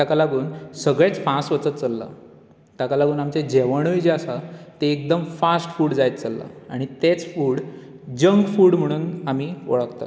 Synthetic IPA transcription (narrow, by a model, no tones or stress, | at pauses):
t̪akalaɡuːnsəɡɭet͡sfãsʋət͡sət̪t͡səlːa̰ | t̪akalaɡuːnamt͡ɕed͡ʑeʋəɽ̃ujd͡ʑeasat̪eːk̚d̪əmfasʈfuːɽd͡zajt̪̚t͡səlːa̰aɽ̃it̪et͡sfuːɽ | d͡ʑəŋɡfuːɽm̤əɽ̃uːnamiːoɭəkt̪a̰